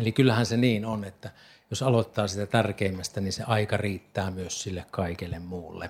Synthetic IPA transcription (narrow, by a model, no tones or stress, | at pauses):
elikylːæhænseniːnonet̪ːæ | josɑlot̪ːɑːsit̪æt̪ærkeˑimːæst̪æninseɑikɑriːt̪ːæːmyøssilːekkɑˑikelːemmuːlːḛ